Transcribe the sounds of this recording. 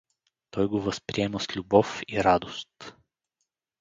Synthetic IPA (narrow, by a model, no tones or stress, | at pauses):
t̪ɔjɡovəspɾiɛməslʲubɔfiɾad̪ost̪